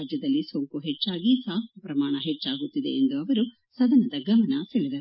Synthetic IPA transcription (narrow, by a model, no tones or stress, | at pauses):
d͡ʒjɐd̪ɐlːisoŋkuɦet͡ʃːaːɡisaːkɐpɾɐmaːɳɐɦet͡ʃːaːɡut̪ːid̪e̞ːnd̪uɐʋɐɾu | sɐd̪ɐnɐd̪ɐɡɐmɐnɐseɭid̪ɐɾu